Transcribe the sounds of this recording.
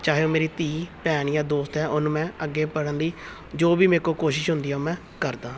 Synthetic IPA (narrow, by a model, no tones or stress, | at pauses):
t͡ʃaːɦejoːmeːɾiːt̪iːpɛːɳjãːd̪oːst̪ɛːʔʊnũːmɛ̃ːəɡːeːpəɽənd̪iː | d͡ʒoːbiːmɛ̃ːkoːkoːʃɪʃɦʊnd̪iːoːmɛ̃ː | kəɾd̪ãː